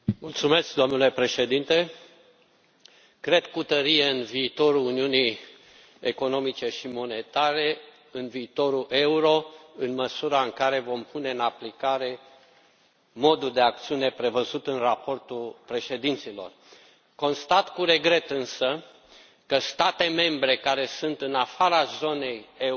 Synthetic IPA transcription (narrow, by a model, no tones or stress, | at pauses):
mult̪sume̞sk̚d̪o̞mnule̞pɾe̞ʃe̞d̪int̪e̞ | kɾe̞d̪̚kut̪əɾijeɨnviːt̪o̞ɾuːniunij | eko̞no̞mit͡ʃe̞ʃimo̞ne̞t̪aɾe̞ | ɨnviːt̪o̞ɾuʔe̞uɾo̞ɨnməsuɾaɨŋkaɾe̞vo̞mpʰune̞ɨnaplikaɾe̞ | mo̞d̪uld̪e̞ak̚t̪siune̞pɾe̞vəzut̪ɨnrapo̞rt̪ulpɾe̞ʃe̞d̪int̪silo̞̰r | ko̞nst̪at̪kuɾe̞ɡɾe̞t̪ɨnsə | kəst̪at̪e̞me̞mbɾe̞kaɾe̞sunt̪ɨnafaɾazo̞ne̞je